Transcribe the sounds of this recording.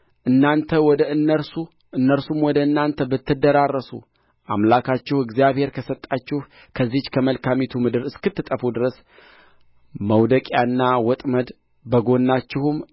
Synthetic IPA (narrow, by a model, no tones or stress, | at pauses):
ʔɨnːant̪ʰəwɔd̪əɨnːəɾsu | ʔɨnːəɾsumwɔd̪əɨnːant̪ʰəbɨt̪ːɨd̪əɾarːəsṵ | ʔamlakʰat͡ʃːɪhɨɡzijaβhe̞ɾkʰəsət̪ʼːat͡ʃːɪh | kʰəzːiht͡ʃːkʰəməlkʰamit̪ʰumɨd̪ɨɾɨskɨt̪ːɨt̪ʼəfud̪ɨɾəs | məwd̪əkʼjanːawɔt̪ʼməd̪ | bəɡo̞nːat͡ʃːɪhum